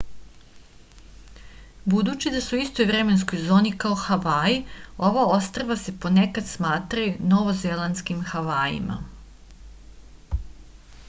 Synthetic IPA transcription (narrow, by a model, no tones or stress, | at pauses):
bud̪uːt͡ɕid̪asuist̪o̞jvɾe̞me̞nsko̞jzo̞ːnikaoxaʋaːjio̞ʋao̞st̪ɾaʋase̞po̞nekad̪smaːt̪ɾajuno̞ʋozelanskimxaʋaːjḭma̰